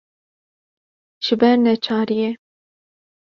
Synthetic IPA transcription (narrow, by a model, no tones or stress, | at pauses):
ʒ̥ɪbɛɾnɛt͡ʃʰɑːɾijɛ